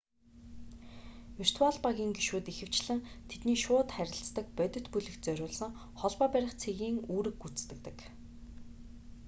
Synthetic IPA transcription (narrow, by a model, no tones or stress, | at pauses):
ir̥t̪ʰwaɮpaɣʲiːŋɡiʃuːt̪ixɘ̆w̥t͡ɕɮɘ̆ŋt̪ʰet̪niːʃʊːt̪χæɾʲɪ̆ɬt͡st̪ə̆k̚pœt̪ʲɵ̆t̪puɮɘ̆xt͡sœɾʲʊːɮsə̆ŋ | χɔɮpɔːpæɾʲɪ̆χt͡sʰeɣiːŋuːɾɘ̆kːut͡st̪ɘ̆k̚t̪ɘ̆k